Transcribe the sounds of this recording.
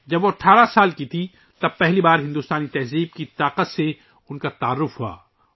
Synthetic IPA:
d͡ʒɐbʋoɐʈʰaːɾasaːlkit̪ʰi | t̪ɐb̚pɛɦlibaːɾɦɪ̃nd̪uːst̪aːnit̪ɛɦziːb̚kit̪aːqət̪se | ʊnkat̪aːɾːʊfɦua̰ː

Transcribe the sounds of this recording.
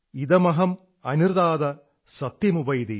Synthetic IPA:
id̪ɐmɐɦɐm | ɐniɾd̪aːd̪ɐ | sɐt̪jɐmubɐjd̪i

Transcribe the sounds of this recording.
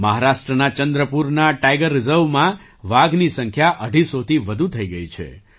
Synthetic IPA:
məɦaɾaʃʈɾənat͡ʃənd̪ɾəpuɾnaʈajɡəɾːɪzəɾʋmã | ʋaɡnisə̃ŋkʰjaʔəɖʱisot̪ʰiʋəd̪ʱut̪ʰəiɡəit͡ʃʰḛ

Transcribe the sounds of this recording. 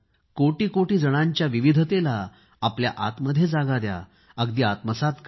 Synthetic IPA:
koʈiːkoʈiːd͡zəɽ̃aɲt͡ɕjaʋiʋid̪ʱət̪elaː | plja̰ʔat̪məd̪ʱːjed͡zaɡad̪ja̰ | əɡd̪iat̪məsat̪k

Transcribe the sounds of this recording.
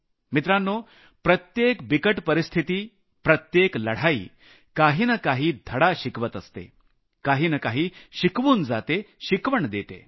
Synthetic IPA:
mit̪ɾanːoː | pɾət̪jekbikəʈpəɾist̪ʰit̪iː | pɾɐt̪jeklɐɽ̤aḭː | kaɦiːnɐkaɦiːd̪ʱəɽaɕikʋət̪əst̪ḛ | kaɦiːnɐkaɦiːʃikʋuːnd͡zat̪eʃikʋəɳd̪eːt̪ḛ

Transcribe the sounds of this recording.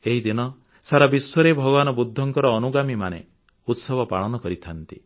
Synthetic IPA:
eɦid̪inɔ | saɾabiswɔɾebʱɔɡɔβanɔbud̪ʱːɔŋkɔɾɔːnuɡamimanḛ | ut̪sɔbʱɔpa̰ɭ̃ɔnɔkɔɾit̪ʰant̪i

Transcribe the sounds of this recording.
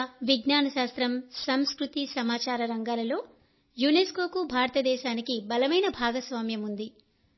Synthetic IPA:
ʋiɡnaːnɐʃaːst̪ɾɐmsɐmskɾut̪isɐmaːt͡ʃaːɾɐɾɐŋɡaːlɐlo̞ː | juneːsko̞ːkubʱaːɾɐt̪ɐd̪ɛːʃaːnikibɐlɐmɐjnɐbʱaːɡɐsʋaːmjɐmund̪i

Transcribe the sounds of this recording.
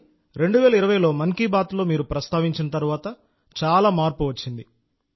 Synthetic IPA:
ɾe̞ɳɖuʋɛːlɐiɾɐʋɐjlo̞ːmɐŋkiːbaːt̪lo̞ːmiːɾupɾɐst̪aːʋiɲt͡ʃinɐt̪ɐɾuʋaːt̪ɐ | t͡ʃaːlaːmaːɾpuʋɐt͡ʃːind̪i

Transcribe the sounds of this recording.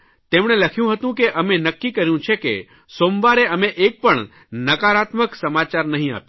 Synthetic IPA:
t̪emɳ̃eləkʰjũɦət̪ũkeʔəmenəkːikəɾjũt͡ʃʰekḛ | somʋaɾeəmeʔek̚pəɳ | nəkaɾat̪məksəmat͡ʃaɾnəɦĩa̰p

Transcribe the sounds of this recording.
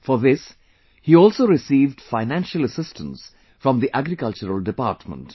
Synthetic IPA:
fɔɾðɪs | hiːɔːlsoːɾɪsiːvɖfaɪnæ̃nʃələsɪstʰə̃ns | fɾɔ̃md̪iʔæɡɾɪkʌlt͡ʃəɾəlɖɪpa̰ːɾʈmə̰̃nt

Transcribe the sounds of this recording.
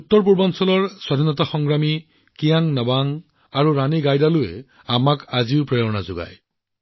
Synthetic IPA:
ut̪ːɔɹp̬uɹbɔnsɔlɔɹswadʱinɔtaxɔŋɡɹami | kijaŋnabaŋ | aɹuɹaniɡajdalʊḛ | amakaziʊpɹejɔnazʊɡa̰j

